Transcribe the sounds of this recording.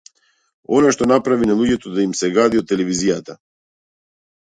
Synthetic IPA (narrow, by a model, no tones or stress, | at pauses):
ɔnaʃt̪ɔnapɾavinalˠuɟɛt̪ɔd̪aimsɛɡad̪iɔt̪ːɛlɛvizijat̪a